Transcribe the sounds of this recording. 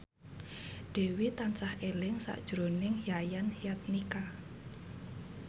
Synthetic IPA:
ɖ̥e̤wit̪ant͡ʃahʔelɪŋsa̰ʔd̥ʒ̥ɾonɪŋhjajanhijat̪̚nika

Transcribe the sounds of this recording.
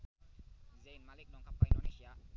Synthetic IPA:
zejnmalik̚nɔŋkʰap̚kaindonesija

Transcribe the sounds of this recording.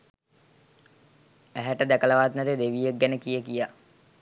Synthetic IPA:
æɦæʈəd̪ækələʋat̪nɛt̪ed̪eʋijeɡ̚ːænəkijəkija

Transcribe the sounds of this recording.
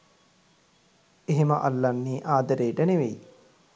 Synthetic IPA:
eɦeməʔa̰lːanːiːʔaːd̪əɾeːʈəneʋej

